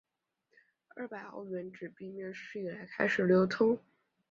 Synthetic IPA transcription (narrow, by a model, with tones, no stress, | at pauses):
ə̰˥˧˩pa˨˩ɪo̰˥ʊɥɛ˧˥nʈ͡ʂɻ̩˨˩pi˥˩mjɛ˥˧ʂɻ̩˥˩i˨˩la˧˥ɪkʰa˥ɪʂɻ̩˨˩ljo˧˥ʊt̪ʰʊ˥ŋ